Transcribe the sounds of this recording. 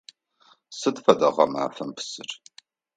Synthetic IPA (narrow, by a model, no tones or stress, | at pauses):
sɨtfɐdɐʁɐma̰ːfɐmpʰɨ̥sɨr